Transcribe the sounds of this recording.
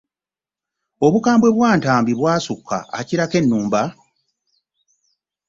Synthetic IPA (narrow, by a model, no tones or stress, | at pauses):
o̞βukaːmbwe̞βwaːntaːmbiβwaːsukʰːa̰ːciɾake̞nːuːmba